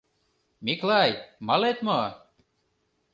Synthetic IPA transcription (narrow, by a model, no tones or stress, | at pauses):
miklˠajmalet̪mo